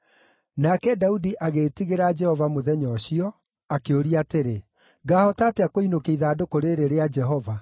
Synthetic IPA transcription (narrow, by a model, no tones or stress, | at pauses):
nakɛdaudiʔaɣetiɣeɾad͡ʒɛhɔvamoðɛɲɔɕiɔ | akeoɾiateɾe | ɡaːhɔtaːteakoinokeiðaːdokoɾeɾeɾead͡ʒɛɦɔva